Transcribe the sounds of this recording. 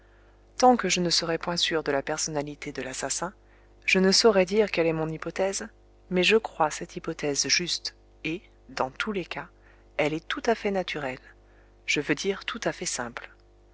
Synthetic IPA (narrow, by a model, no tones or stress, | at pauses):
t̪ɑ̃kəʒənəsəʁɛpwɛ̃syʁd̪əlapɛʁsɔnalit̪ed̪əlasasɛ̃ | ʒ̥ənəsɔʁɛd̪iʁkɛlɛmɔ̃nipɔt̪ɛz | mɛʒəkχwasɛt̪ipɔt̪ɛzʒyst̪ | e | d̪ɑ̃t̪ʰuleka | ɛlɛt̪ut̪afɛnat̪ʰyʁɛl | ʒ̥əvød̪iʁt̪ʰut̪afɛsɛ̃pl